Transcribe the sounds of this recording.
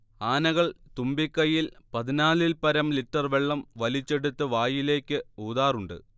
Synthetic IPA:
aːnɐɣɐɭt̪umbikːɐjilpɐðinaːlilpɐɾɐmliʈːɐrʋeɭːɐmʋɐlit͡ɕːe̞ɽut̪ːɨʋaːjile̞ːkʲːɨuːðaːruɳɖɨ̰

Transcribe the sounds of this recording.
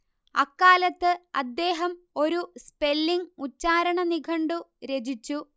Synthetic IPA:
ɐ̰kːaːlɐt̪ːɨɐ̰d̪ːe̞ːɦɐm | o̞ɾuspe̞lːiŋut͡ɕːaːɾɐɳɐniɡʰʱɐɳɖuɾed͡ʑit͡ɕːu

